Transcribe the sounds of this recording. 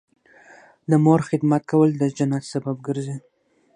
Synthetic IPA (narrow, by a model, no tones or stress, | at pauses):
d̪əmoɾxɪd̪mat̪̚kawəld̪əd͡ʒanat̪sabab̚ɡəɾzi